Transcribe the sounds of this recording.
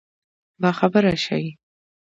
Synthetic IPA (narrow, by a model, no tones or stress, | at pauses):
bɑxabəɾaʃa̰wi